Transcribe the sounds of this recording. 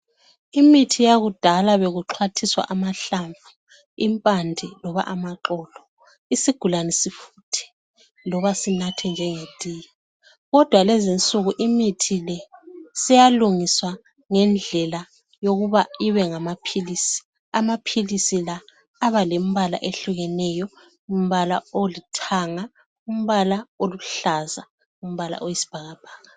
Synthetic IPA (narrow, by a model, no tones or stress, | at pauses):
imitʰijaɣud̥ʱalaβeɣuǁʰwatʰiswa̰ʔamaɬaɱvu | impʼandʱilɔβa̰ʔamaǃɔːlɔ | isiɡ̥ʱulanɛsifuːtʰi̥ | lɔβasinatʰɛnd͡ʒʱɛŋetʼiːja | ɣɔd̥ʱwalɛzint͡sʼuɣuʔimitʰilɛsijaluŋiswa | ŋɛnd͡ɮʱɛla | joɣuβaiβɛŋamapʰilisi̥ | amapʰilisilaː | βalem̩βala̰ʔeɬuɣɛnɛjɔ | um̩βala̰olitʰaŋa | um̩βalaoluɬaza | um̩βala̰ʔojisi̥b̥ʱaɣab̥ʱaːɣa